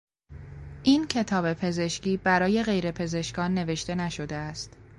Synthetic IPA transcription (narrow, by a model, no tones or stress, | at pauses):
ʔiːncʰe̞t̪ʰɒːbe̞pʰe̞ze̞ʃciːbæɾɒːje̞ɣe̞jɾe̞pʰe̞ze̞ʃkɒːnːe̞ve̞ʃt̪e̞næʃo̞d̪e̞æst̪